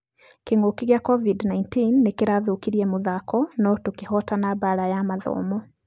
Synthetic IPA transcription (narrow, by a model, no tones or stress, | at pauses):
keŋokiɣjakɔvidnaintinːekeɾaðokiɾiɛmoðakɔnɔtokehɔtanabaɾajamaðɔ̰ːmɔ